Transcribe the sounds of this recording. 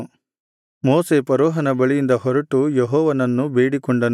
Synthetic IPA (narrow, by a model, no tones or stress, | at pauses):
moːsepɐɾɔːɦɐnɐbɐɭijind̪ɐhɔɾɐʈujeɦɔːʋɐnɐnːubeːɽikɔɳɖɐn